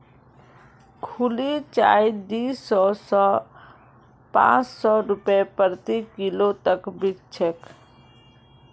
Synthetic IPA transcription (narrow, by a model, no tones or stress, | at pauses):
kʰulit͡ʃa̰ːid̪iːsɔs | pã̰ːt͡ʃsɔɾʊpepəɾt̪ikɪlot̪əkbɪkt͡ʃʰek